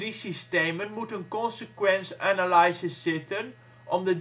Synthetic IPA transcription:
risisteːmənmutənkɔnsəkwɛnsænalajsəsɪtən | ʔɔmdə

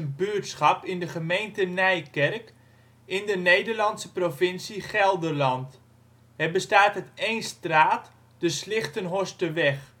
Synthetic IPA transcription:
nbøətsχɑpɪndəχəmejntənɛjkɛrk | ɪndənejdərlɑntsəprofɪnsiχɛlˠdərlɑnt | hɛrbəstaːtətejnstraːt | d̥əslɪχtənɦostəʋɛχ

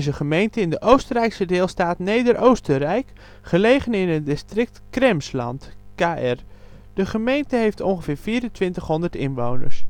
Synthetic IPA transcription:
zəχəmejntəɪndəʔowstərɛjksədɪːlˠstaːtnejdəɾʔowstərɛjk | χəlejχənɪnədɪstrɪk̚tkrɛmslɑ̰ntkaːʔɛr | d̥əχəmejntəɦejftɔnχəv̥ɪːɹfiːɾəntʋɪntəχɦɔndətɪnʋownə̰ɹs

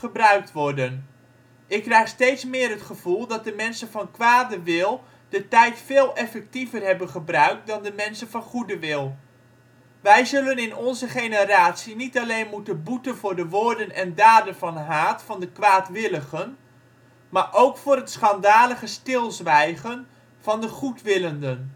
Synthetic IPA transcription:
χəbrœɥk̚tʋɔɹdən | ʔɪkːrɛjχstejtsmɪːɾɦətχəv̥ulˠdɑt̚dəmɛnsənvɑnkʋaːdəʋɪlˠ | d̥ətɛjtfɪːlˠɛfɛk̚tivərɦɛbənχəbrœɥk̚dɑndəmɛnsənvɑnχudəʋɪlˠ | ʋɛjzɵlənɪnɔnzəχejnəɾaːtsinitɑlejnmutənbutənvʊːɹdəʋʊːɹdənɛndaːdənvɑnɦaːtfɑndəkʋaːtʋɪləχən | maːɹʔowkfʊːɾɦətsχɑndaːləχəstɪlˠzʋɛjχən | v̥ɑndəχutʋɪləndən

